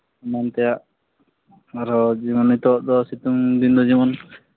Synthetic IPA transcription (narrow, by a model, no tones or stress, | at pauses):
mɔnt̪ɛjaʔ | aɾɔd͡ʒimɔnit̪ɔʔd̪ɔsit̪uŋd̪ind̪ɔd͡ʒimɔn